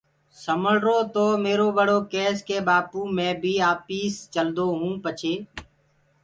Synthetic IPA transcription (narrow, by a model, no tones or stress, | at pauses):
səməɭɾoːt̪oːmeːɾoːbəɽoːkeːskeːbaːpuːmẽːbʱiːaːpiːst͡ʃəld̪oːɦũːpət͡ʃʰeː